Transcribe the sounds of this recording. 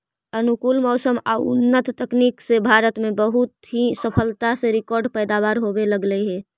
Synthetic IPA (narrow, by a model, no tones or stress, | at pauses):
ənukuːlmɔːsəma̰ʊ̰nːət̪ːəkniksebʱaɾət̪mẽbəɦut̪ɦisəpʰəlt̪aseɾɪkɔːɾɖpəːd̪aːβaːɾɦobeləɡləɦɛ